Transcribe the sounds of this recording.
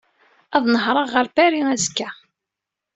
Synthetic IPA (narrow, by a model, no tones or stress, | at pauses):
æðˤnəɦɾˤɑʁːəɾpæɾiæzkːæ